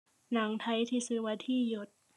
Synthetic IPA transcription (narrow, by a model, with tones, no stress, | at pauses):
na˩˦ŋt̪ʰa˧˥jt̪ʰiː˧˩sɯː˧waː˧t̪ʰiː˧˥˩jo˨˩t̪̚